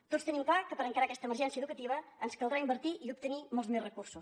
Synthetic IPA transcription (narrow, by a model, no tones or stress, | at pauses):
t̪ost̪ənimklakəpəɾəŋkaɾakɛst̪əməɾʒɛnsiəðukət̪iβəənskəlˠd̪ɾaimbəɾt̪iʔiup̚t̪ənimɔlˠzmɛrəkursus